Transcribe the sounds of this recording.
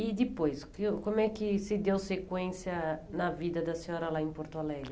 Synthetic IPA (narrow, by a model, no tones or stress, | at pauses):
id̪ɪpojskkõmʊɛkɪsɪd̪ewsekwẽsjɐnɐvid̪ɐd̪ɐsẽɲɔ̃ɾɐlaẽpoɾt̪alɛlɐ